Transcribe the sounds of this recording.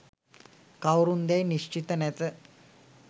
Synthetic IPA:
kawɾund̪jajniɕt͡ɕit̪ənat͡s̪ə

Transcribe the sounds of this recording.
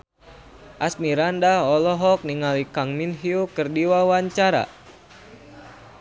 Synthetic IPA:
ʔasmiɾandaɔlɔɦɔk̚niŋalikaŋminɦiukɨrdiwawaɲt͡ʃaɾa̰

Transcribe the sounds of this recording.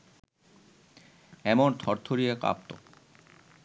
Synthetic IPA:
ɛmont̪ʰɔɾt̪ʰoɾijeka̰p̚t̪o̰

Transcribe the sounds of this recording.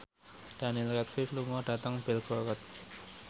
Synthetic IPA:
ɖ̥a̤nilkɛt̪̚fifluŋɔɖ̥a̤t̪əŋbɛlɡ̥ɔkɔt̪̚

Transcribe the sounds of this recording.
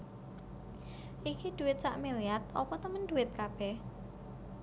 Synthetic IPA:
ʔikid̪̥ṳwɪt̪̚t͡ʃaʔmeliat̪̚ɔpɔt̪əmənd̪uwɪt̪̚kab̥ɛh

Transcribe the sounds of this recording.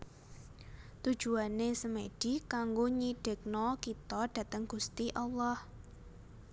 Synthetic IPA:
t̪u̥ʒ̥ṳanesəmeɖ̥ikaŋɡoɲiɖ̥ə̤k̚nɔkit̪ɔɖ̥a̤t̪əŋɡ̥ust̪iʔalːɔh

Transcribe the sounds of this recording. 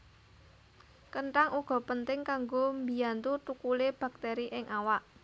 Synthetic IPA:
kəɳʈaŋʔuɡ̥ɔ̤pənt̪ɪŋkaŋɡombijant̪ut̪ukuleb̥a̤k̚t̪eɾiʔɪŋʔawaʔ

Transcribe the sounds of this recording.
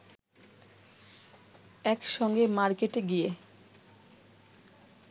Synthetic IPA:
ɛkʃɔŋɡemaɾkeʈeɡije

